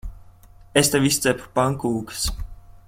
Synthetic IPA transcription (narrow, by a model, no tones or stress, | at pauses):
ɛst̪ɛvist̪ɛppaŋkuːks